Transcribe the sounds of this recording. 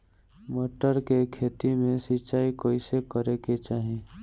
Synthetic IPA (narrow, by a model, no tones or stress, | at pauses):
moːʈəɾkekʰeːt̪imẽsit͡ʃaːikoːisekəɾeket͡ʃaːɦẽː